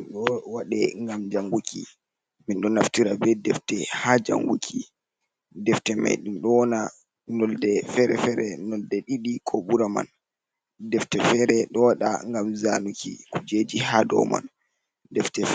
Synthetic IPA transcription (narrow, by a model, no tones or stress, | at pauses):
inɗɔwaɗɛŋɡamd͡ʒaŋɡukʰḭ | minɗɔnaftiɾabɛdɛftɛhad͡ʒa̰ŋɡukʰi | dɛftɛma̰jɗunɗɔwɔna | nɔldɛfɛɾɛfɛɾɛnɔldɛɗiɗikʰɔɓuɾama̰n | dɛftɛfɛɾɛɗɔwaɗa̰ŋɡamzanukḭkud͡ʒed͡ʒihadɔ̰ma̰n | dɛftɛ